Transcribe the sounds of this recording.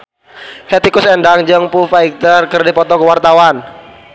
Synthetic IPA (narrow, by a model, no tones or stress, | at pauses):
hɛt̪ikʊsɛndaŋd͡ʒəŋpufaik̚t̪ərkərdipɔt̪ɔkəwart̪awan